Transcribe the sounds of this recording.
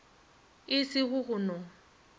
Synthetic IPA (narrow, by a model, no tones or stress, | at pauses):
ɪsɪɣʊɣʊnɔ